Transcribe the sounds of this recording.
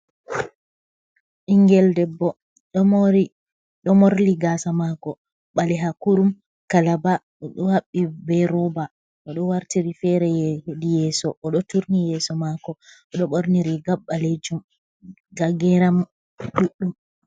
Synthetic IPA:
ʔiŋɡɛldɛbːɔ | ɗɔmoɾi | ɗɔmoɾliɡasamakɔ | ɓalɛɦakuɾum | kalaba | ɔɗɔhaɓːibɛɾɔba | ʔɔɗɔwaɾtiɾifɛɾɛjɛdijɛːsɔʔɔɗɔtuɾnijɛsɔmakɔ | ɔɗɔɓoɾniɾiɡaɓːaled͡ʒum | ɡaɡɛɾam | ɗuɗːum

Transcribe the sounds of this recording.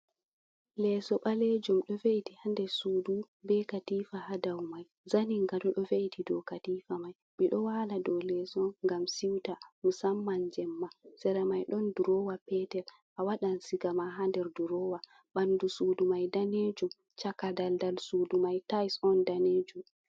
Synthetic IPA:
lɛsɔɓaled͡ʒumɗɔveitihandɛsuːdu | bɛkatiːfahadawmaj | zaniŋɡadɔɗɔveʔitʰidɔkatifamaj | miɗɔwaladɔlɛsɔŋɡamsiwtamusamːand͡ʒɛmːasɛɾamajɗɔnduɾɔwapɛtɛɾ | ʔawaɗansiɡamaɦandɛɾduɾɔwa | ɓandusuːdumajdaned͡ʒum | t͡ʃakadaldalsuːdumajtajsɔndaneːd͡ʒum

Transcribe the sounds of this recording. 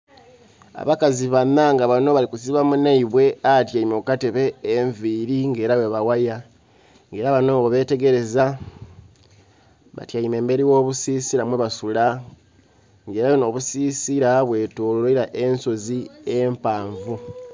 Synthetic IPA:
a̰βakaziβanaŋɡaβano̞βalikusiβamunaiβwe̞atjaimokateβeːɱviɾiŋɡe̞ːɾaweβawaja | ŋɡe̞ːɾaβano̞oβe̞te̞ɡe̞ɾe̞za | βa̰tjaime̞ːmbe̞ɾiwo̞ːβusiːsiɾamweβasula | ŋɡe̞ːɾaweno̞βusiːsiɾaβwe̞tolloiɾaʔe̞nso̞ziempaːɱvu

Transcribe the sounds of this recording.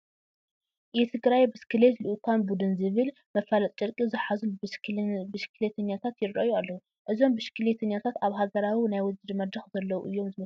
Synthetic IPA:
jɛt̪ʰɨɡɾajbɨskʰɨlet̪lɨʔkʰanbud̪ɨnzɨβɨl | mɐfalɐt̪ʼt͡ʃʼɨɾkʼizɨħazu | bɨʃkʰɨlet̪ʰɐɲːat̪ʰat̪jɪɾɾɐjualːɐhu | ʔɨzo̞mbɨʃkʰɨlet̪ʰɐɲːat̪ʰat̪aβɦaɡɐɾawinajwɔzɨd̪mɐd̪ɾɐxzɐlːɐwuʔɨjːo̞mzɨmɐ

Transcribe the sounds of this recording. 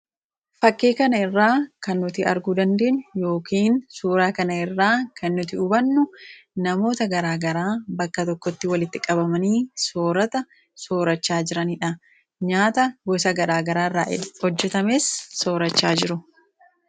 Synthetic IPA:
fɐkːeːkɐnɐɪrːaːkɐnːʊt̪ɪɐɾɡuːd̪ɐnd̪eːʔɲːʊjo̞ːkiːnsuːɾaːkɐnɐɪrːaːkʰɐnːʊt̪ɪʊbɐnːʊnɐmo̞ːt̪ɐɡɐɾaːɡɐɾaːbɐkːɐt̪ɔkːɔt̪ːɪwɐlɪt̪ːɪkʼɐbɐmɐniːsoːɾɐt̪ɐ | so̞ːɾɐt͡ʃːaːd͡ʒɪɾɐniːᶑɐ | ɲaːt̪ɐɡɔsɐɡɐɾaːɡɐɾaːrːaːhɔd͡ʒːɛt̪ɐmeːsːo̞ːɾɐt͡ʃːaːd͡ʒɪɾʊ

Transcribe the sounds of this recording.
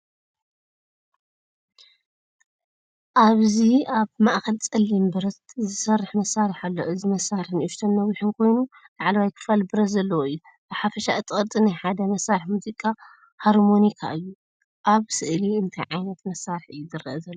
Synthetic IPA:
ʔaβziaβmaʔxɐlt͡sʼɐlːimbɨɾɐt̪zɨsɐrːɨħmɐsːaɾɨħalːo̞ʔɨzimɐsːaɾɨħnʔuʃt̪ʰɐnːɐwiħɨnkʰo̞jnu | laʕlɐwajkʰɨ̥falbɨɾɐt̪zɐlːɐwoɨjːu | b̥ɨħafɐʃaʔɨt̪ʼɨkʼɐt̪ʼinajħad̪ɐmɐsːaɾɨħmuzikʼa | haɾmo̞nikʰa̰ʔɨjːu | ʔaβsɨʔliɨnt̪ʰɐjʕajnɐt̪mɐsːaɾɨħɨ̰jːuzɨɾɐʔɐzɐlːo

